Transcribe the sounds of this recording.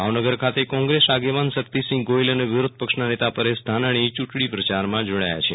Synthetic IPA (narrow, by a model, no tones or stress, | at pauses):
bʱaʋnəɡəɾkʰat̪ekɔ̃ŋɡɾesaɡeʋansəkt̪isɪ̃ŋɡɡoiləneʋɪɾod̪̚ʱpəkʃnanet̪apəɾesd̪ʱanaɽ̃it͡ʃuʈɽ̃ipɾət͡ʃaɾmãd͡ʒoɽa̰ja̰t͡ʃʰe